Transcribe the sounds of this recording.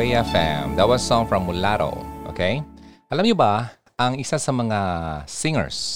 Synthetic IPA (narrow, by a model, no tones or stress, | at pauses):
eɛfɛ̰md̪ɐt̪̚wɐssɔ̃ŋfɹɐ̃mːʊlaɾo̰ʔo̰ːkʰejʔɐlamɲʊba | ʔɐŋɪsasɐmɐŋasɪŋə̰ɹs